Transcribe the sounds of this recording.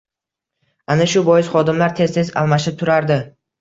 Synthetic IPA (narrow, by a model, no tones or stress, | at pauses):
anaʃʊbɒjɪz̥χɒd̪ɪmlaɾt̪ʰe̞zt̪ʰe̞za̰lˠmaʃɪt̪ʰʊɾaɾd̪ɪ